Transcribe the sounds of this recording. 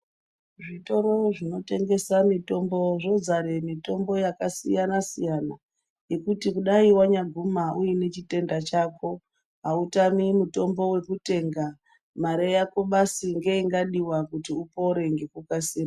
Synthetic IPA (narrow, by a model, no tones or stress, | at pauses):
ʐito̞ɾo̞ʐino̞te̞ŋɡe̞samito̞mbo̞ʐo̞d͡zaɾe̞mito̞mbo̞jakasḭjanasijana | jekutikuɗaiwaɲaɡʱumaʔujine̞t͡ʃite̞ndat͡ʃaːkʰo̞ | ɦautamimuto̞mbo̞we̞kute̞ŋɡa | maɾejakoɓasiŋɡe̞iŋɡaɗiwakutiupo̞ɾe̞ŋɡe̞kukasiːma